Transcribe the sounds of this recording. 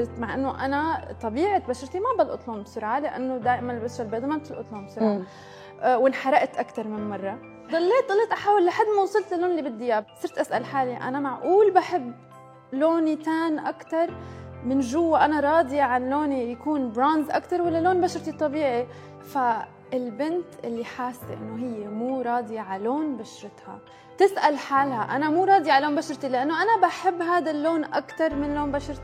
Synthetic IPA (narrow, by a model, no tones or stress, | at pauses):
t̪maʕʔɪnːoʔanat̪ˤːɑbiːʕɪt̪baʃɑɾt̪imabɪlʔʊ̰t̪ˤluːmbsʊɾʕalɪʔa̰nːod̪aːʔɪmanlbaʃalbeːd̪ˤmab̚t̪ɪlʔʊ̰t̪ˤluːmbsʊɾʕa | wɪnħɑɾˤɑʔt̪ʔakt̪ɑɾˤmɪnmɑrˤːɑ | d̪ˤɑlːeːt̪̚dˤɑlːeːt̪ʔaħaːwɪlʔaħad̪muːsˤɨlt̪ɪlːoːnlːibɪd̪ːɪjabsˤɨɾt̪ʔasʔa̰lħaːliʔa̰namaʕʔuːlbaħɪbː | loːnit̪aːnʔakt̪ɑɾˤmɪnʒʊwːaʔanaɾˤɑːd̪ˤjaʕanloːnijakuːnbɾanzʔakt̪ɑɾˤwalːaloːnbaʃɑɾˤt̪it̪ˤːɑbiːʕi | fa | ɪlbɪnt̪ʔɪlːiħaːsːʔɪ̰nːoɦɪjːemuːɾˤɑːd̪jaʕaloːnbaʃɾˤɪt̪ha̰ | t̪ɪsʔalħaːlhaʔanamuːɾˤɑːd̪ˤjaʕaloːnbaʃɾˤt̪ilɪʔanːoʔanabaħɪbːɦaːd̪alːoːnʔakt̪ɑɾˤmɪnloːnbaʃɑɾˤt̪i